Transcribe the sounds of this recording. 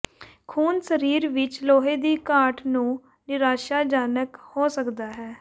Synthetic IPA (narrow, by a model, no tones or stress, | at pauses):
kʰuːnsəɾiːɾʋɪt͡ʃloːɦeːd̪iːkaːʈʰnũː | nɪɾaːʃaːd͡ʒaːnəkhoːsəkd̪aːɦɛː